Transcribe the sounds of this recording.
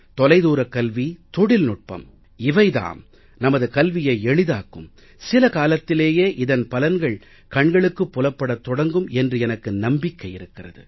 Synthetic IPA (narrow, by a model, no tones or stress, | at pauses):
t̪ɔlɐɪðuːɾɐkːɐlʋit̪ɔɽɪlnʊʈ̚pɐ̰m | ɪʋɐɪða̰ːn | nɐmɐðɯkɐlʋɪjɐɪɛɭɪðaːkːɯm | sɪlɐkaːlɐt̪ːɪleːjeːʔɪðɐnpɐlɐnɡɐɭ | kɐɳɡɐɭɯkːɯpːʊlɐpːɐɽɐt̪ːɔɽɐŋɡɯmɛndrɯɛnɐkːɯnɐmbɪkːɐjɪɾɯkːɪrɐ̰ðɯ̰